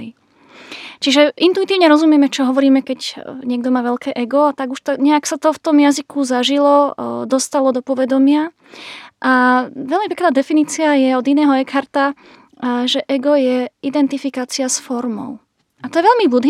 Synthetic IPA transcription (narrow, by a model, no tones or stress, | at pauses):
i | t͡ʃiʒɛint̪uit̪iːʊɲɛɾɔzumɪɛmɛt͡ʃɔɦɔʋɔɾiːmɛkɛcɲɪɛɡd̪ɔmaːʋɛʎkɛːʔɛɡɔat̪aɡuʃt̪ɔɲɛaksat̪ɔft̪ɔmjazikuzaʒilɔd̪ɔst̪alɔd̪ɔpɔʋɛd̪ɔmɪa | ʔaʋɛlmipɛk̪aːd̪ɛfiniːt͡siajɛɔd̪inɛːɦɔɛkhaɾt̪a | ʒɛʔɛɡɔjɛʔid̪ɛnt̪ifikaːt͡siasfɔɾmɔ̰ʊ | at̪ɔjɛʋɛʎmibud̪ɦ